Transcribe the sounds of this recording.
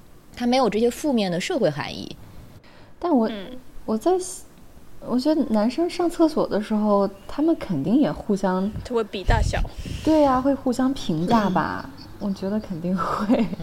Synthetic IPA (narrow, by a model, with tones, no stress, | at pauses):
t̪ʰa˥me˧˥ɪjo˨˩ʈ͡ʂɤ˥˩ɕjɛ˥fu˥˧mjɛ˥˩nd̪ə˩ʂɤ˥˧xwe˥˩ɪxa̰˧˥nḭ˥˩ | t̪a˥˩nwɔ˨˩wɔ˨˩t͡sa˥˩ɪ | wɔ˨˩t͡ɕɥɛ˧˥d̪ə˧na˧˥nʂə˥ŋʂɑ˥˧ŋt͡sʰɤ˥˩swɔ˨˩d̪ə˦ʂɻ̩˧˥xo˥˧ʊt̪ʰa˥mə˨nkʰə˨˩nt̪i˥˩ŋjɛ˨˩xu˥˩ɕjɑ˥ŋt͡ɕʰwe˥˩ɪpi˨˩t̪a˥˩ɕjɑ̰˨˩˦t̪we˥˩ɪa˩xwe˥˧ɪxu˥˩ɕjɑ˥ŋpʰi˧˥ŋt͡ɕa˥˩bɐ̰˩ | wɔ˨˩t͡ɕɥɛ˧˥d̪ə˧kʰə˨˩nt̪i˥˧ŋxwe˥˩ɪ